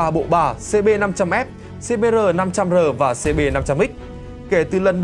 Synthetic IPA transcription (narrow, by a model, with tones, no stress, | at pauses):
aː˨˩ɓo̰˧˨ɓaː˨˩se˧ɓe˧na˧mt͡ɕa˧mʔɛ˦˥p̚ | se˧ɓe˧zəː˨˩na˧mt͡ɕa˧mzəː˨˩vaː˨˩se˧ɓe˧na˧mt͡ɕa˧mʔi˦˥k̟̚ | ke˧˩t̪ɨ˨˩lə˨˩nɗ